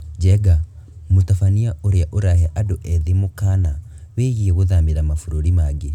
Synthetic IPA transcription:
d͡ʒɛɡa | mutafaniaʔoɾeaʔoɾahɛʔadoʔɛðimokana | weːɣiɛɣoðamiɾamafuɾoɾimaɡe

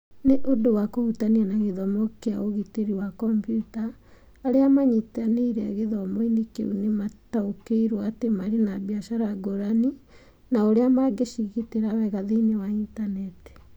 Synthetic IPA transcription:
neʔodowakohutanianaɣeðɔmɔkea̰oɣiteɾiwakɔmpjutaː | ɾeamaɲetaneɾɛɣeðɔmoinikḛunemataokeiɾwɔatemaɾenabiaʃaɾaɡoɾani | naoɾeamaɡeʃiɣiteɾawɛɣaðeinewaintanɛte̥

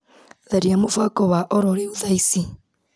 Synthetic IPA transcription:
ðaɾjamufakoβaʔoɾoɾeβuðaisi

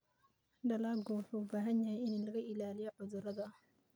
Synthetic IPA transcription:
ɖɐlaːɡuːħuːbaːɦɐnjajɪnnlɐɣɐʔɪlaːlɪjɔʕʊðʊɾɐðɐ

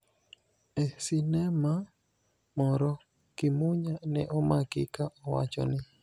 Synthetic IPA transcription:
esinɛma | mɔɾɔ | kɪmuɲanɛʔɔmakɪkaʔɔwa̰t͡ʃɔ̰nɪ

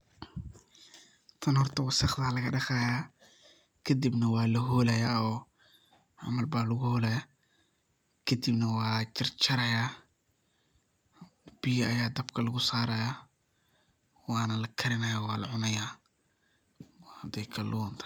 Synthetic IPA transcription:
t̪ʰɐnhɔrt̪ʰɐwɑsɑχd̪aːlɐɣɐɖɐχaːjaː | kʰɐd̪ibnɐwɑːlɐɦɔːlɐjaːɔː | ʕa̰mɐlbaːlɐɣʊhɔːlɛja | kʰɐd̪ibnɐwɑːt͡ʃɪrt͡ʃʰɐɾɐjaː | b̥ijɐʔɐjaːd̪ɐbkʰɐlɐɣʊsaːɾɐja | wɑːnɐlɐkʰɐɾɪnɐjawaːlɐʕʊnɐjaː | whɐd̪ɛjkʰɐlʔunt̪ʰɐ̥

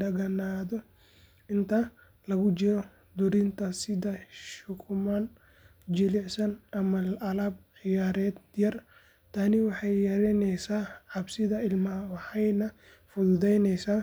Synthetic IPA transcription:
ɖɐɣɐnaːðɔ | ʔɪnt̪ʰɐ | lɐɣʊt͡ʃɪɾɔ | d̪ʊɾɪnt̪ʰɐsɪðɐʃʊkʰʊman | d͡ʒɪlɪʕsɐnʔɐmɐlɐlɐb̚ʕɪjaːɾɛːd̪jɐr | t̪ʰɐnɪwɑħɑjːɐɾɛnɛjsaːʕɑbsɪðɐɪlmɐhɐwɑħɑjnɐ | fʊðʊðɛjnɛjsaː

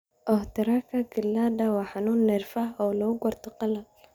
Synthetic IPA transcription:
ʔɔht̪ɐɾɐkʰɐɡɪlːaːd̪ɐwɑːħanuːnːɛrfaɦɔːlɔʊɡɔrt̪ʰɔqɑlɐ

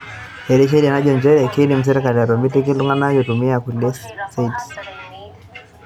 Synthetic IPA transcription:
hɛɾɛʃ̬ɛɾianaʄɔnd͡ʒɛɾɛkinim̩s̬ɛɾɛkaliaɾɔmbitik̬iluŋɡanajɔtumiakulɛssait

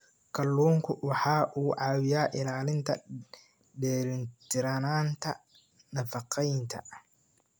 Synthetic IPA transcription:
kʰɐlːuːŋkʰʊwɑħɑːʔuːʕɑːwɪjaːʔɪlaːlɪnt̪ʰɐ̰ | ɖɛːlɪnt̪ʰɪɾɐnaːnt̪ʰɐ | nɐfɑqʰɛjɪnt̪ʰɐ̰

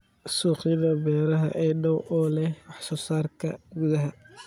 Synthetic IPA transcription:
suːqɪðɐbɛːɾɐɦɐ̰ʔɛjnɔwʔɔːlɛhwɑħsɔːsaːrkʰɐ̰ɡuðɐɦɐ

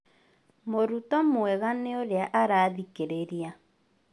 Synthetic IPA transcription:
moɾutɔmwɛɣaneoɾeaʔaɾaːðikeɾeɾia

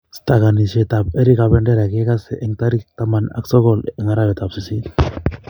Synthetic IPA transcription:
st̪aɡanisɛt̪ap̚eɾiɡabɛɳɖɛɾaɡɛɡasɛʔɛŋt̪aɾik̚t̪amana̰ksɔɡɔlɛŋaɾaβɛt̪ap̚sisi

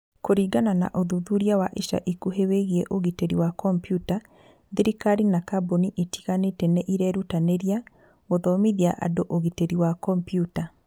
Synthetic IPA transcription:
koɾiːɡanana̰ʔoðuðuɾiawaʔiʃa̰ʔikuɦeweɣiɛʔoɣiteɾiwakɔmpjuta | ðiɾikaɾinakaboniʔetʰi̥ɣanetɛnɛʔiɾɛɾutaneɾia | ɣoðɔmiðiaʔa̰doʔoɣiteɾiwakɔmpijuta

